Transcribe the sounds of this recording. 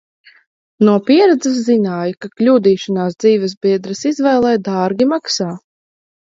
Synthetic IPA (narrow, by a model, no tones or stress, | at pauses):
nuɔpiɛɾɛd̪zɐs̬zinaːjkaklʲuːd̪iːʃanaːsd̪ziːvɛsbʲiɛd̪ɾɐsizvɛjlˠɛjd̪ɑːɾɡʲimaksaː